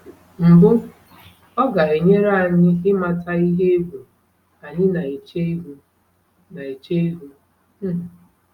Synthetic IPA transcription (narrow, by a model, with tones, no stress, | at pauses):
m̩˨bʊ˦ | ɔ˦ɡa˨e˨ɲe˦ɾa˦˨ɲɪ˦ɪ˦ma˦ta˦i˦ɦe˦e˦ɡʷu˨ | a˨ɲɪ˦na˨e˨t͡ʃe˦e˦ɦu˦ | na˨e˨t͡ʃe˦e˦ɦu˦˨